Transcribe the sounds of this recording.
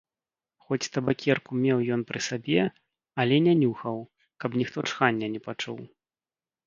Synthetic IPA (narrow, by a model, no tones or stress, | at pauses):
xɔt͡sʲst̪ɐbakʲɛrkumʲɛwjɔnpɾɨsabʲɛ | ɐlʲɛnʲɛnʲuxɐw | kɐpnʲixt̪ɔt͡ʂxanʲːɐnʲɛpat͡ʂṵw